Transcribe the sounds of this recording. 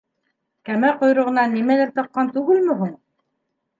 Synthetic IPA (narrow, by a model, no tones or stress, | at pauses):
kæmæqŏjɾɤ̆ʁɤ̆nɑnːimælæɾt̪ɤ̆qːɑnt̪ʉɡɘlmɘ̆ɦuɴ